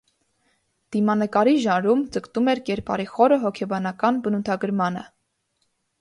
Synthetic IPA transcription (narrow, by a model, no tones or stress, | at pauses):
d̪̥imɑnəkɑɾiʒɑnɾumd͡zəkt̪umɛɾkɛɾpɑ̰ɾiχɔɾəɦɔkʰɛbɑnɑkɑnbənut̪ʰɑɡəɾmɑnə̰